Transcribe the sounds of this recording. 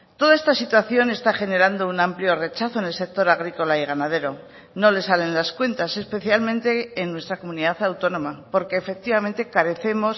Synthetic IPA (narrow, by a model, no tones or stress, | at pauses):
t̪o̞ðae̞st̪asit̪waθjo̞ne̞st̪aχe̞ne̞ɾand̪o̞unampljo̞re̞t͡ʃaθone̞lse̞k̚t̪o̞ɾaɣ̞ɾiko̞laiɣ̞anað̞e̞ɾo̞ | no̞le̞sale̞nlaskwe̞nt̪ase̞spe̞θjalmẽ̞nt̪e̞ːnːwe̞st̪ɾako̞mũniðaθawt̪o̞nõ̞mapo̞ɾke̞ːfe̞k̚t̪iβamẽ̞nt̪e̞kaɾe̞θe̞mo̞s